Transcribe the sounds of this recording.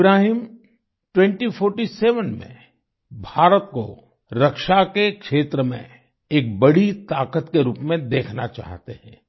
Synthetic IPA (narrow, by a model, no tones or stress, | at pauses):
ɪbɾaːɦiːm | ʈwɛ̃ɳʈifʰoːɾʈisɛːʋənmḛ̃ | bʱaːɾət̪ko̰ | ɾɐkʃakekʃeːt̪ɾəmḛ̃ | eːk̚bɐɽit̪aːkət̪keɾuːpmẽd̪eːkʰna̰t͡ʃa̰ːɦt̪ḛhɛ̰̃ː